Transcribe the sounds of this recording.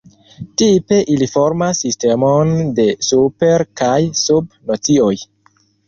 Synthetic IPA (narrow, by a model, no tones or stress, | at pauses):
tipe̞ʔilifo̞ɾmasːiste̞monde̞supe̞ɾkajsubnot͡sio̞j